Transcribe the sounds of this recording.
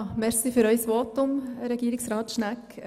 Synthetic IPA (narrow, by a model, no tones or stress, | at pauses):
mɛɾsifyɾœʏsʋɔtʊmɾɛɡ̥iːɾɪksɾɑːtʃnæk